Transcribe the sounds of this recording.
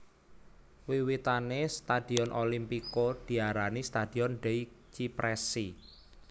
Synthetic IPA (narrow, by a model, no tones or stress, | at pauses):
wiwit̪anest̪ad̥i̤ɔnʔolimpikod̪̥i̤aɾanist̪ad̥i̤ɔnɖ̥ɛi | t͡ʃipɾɛsi